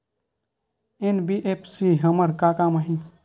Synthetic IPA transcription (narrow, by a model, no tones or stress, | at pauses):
enbiʔepʰsiɦəməɾkakaːmaɦĩ